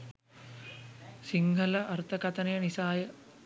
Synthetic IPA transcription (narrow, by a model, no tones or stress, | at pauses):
siŋɡʱɐlɐʔɐɾt̪ʰɐkɐt̪ɐnɐjɐnisaːjɐ